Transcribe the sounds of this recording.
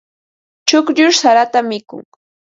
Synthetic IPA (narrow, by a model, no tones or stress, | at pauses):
t͡ʃʊkʎʊɾsaɾat̪amɪkʊ̰ŋ